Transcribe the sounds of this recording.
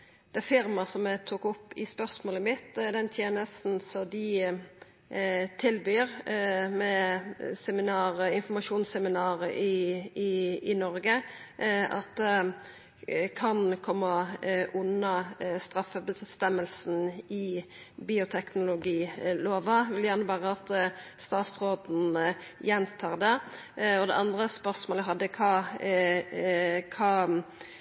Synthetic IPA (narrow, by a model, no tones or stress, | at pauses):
d̪̥ɛæɾfɪɾmɑsɔmɛt̪ʰuːkʊpːɪspœʁsmoːləmɪt̪ːd̪ɛnt̪ʰjeːnəst̪n̩sɔd̪ɪ | t̪ʰɪlbyːɾmɛsɛmɪnɑːɾəɪnfɔmɑʂuːnsɛmɪnɑːɾəʔɪɪɪnɔɾɡə | ɑ̰t̪̚ | kʰɑnkʰɔmːɑʉnːɑst̪ʁɑfəbəst̪ɛmːəlsn̩ɪ | biːʊt̪ʰɛknʊlʊɡiːloːʋɑʋɪljæʁnəbɑːʁəɑt̪st̪ɑːt̪sʁoːd̪n̩jɛnt̪ʰɑːʁd̪ɛ | ɔd̪ɛ̰ɑnd̪ʁəspœʁsmoːlɦɑd̪ːəkʰɑː | kʰɑː